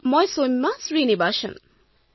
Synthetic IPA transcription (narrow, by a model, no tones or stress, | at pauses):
mɔjsomasɾinibaːʃɐ̰̃n